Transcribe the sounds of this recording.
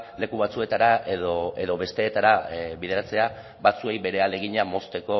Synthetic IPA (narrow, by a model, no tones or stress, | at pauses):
le̞kuβ̞at͡sue̞t̪aɾaeðoe̞ðo̞βe̞st̪e̞ːt̪aɾaβið̞e̞ɾat͡se̞a | bat͡sue̞jβe̞ɾe̞ale̞ɣ̞iɲamo̞st̪e̞ko̞